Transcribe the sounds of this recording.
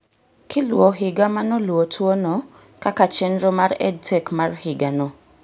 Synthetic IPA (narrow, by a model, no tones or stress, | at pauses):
kʰɪlwɔɦɪɡamanɔlwotʰwonɔ | kakat͡ʃɛnɾomaɾɛ̰d̚tʰɛkmarhɪɡanɔ